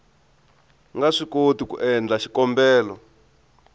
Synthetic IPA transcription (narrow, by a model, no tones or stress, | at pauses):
ŋɡaʂikotikṵʔɛnd͡ɮaʃi̥kɔmbɛːlɔ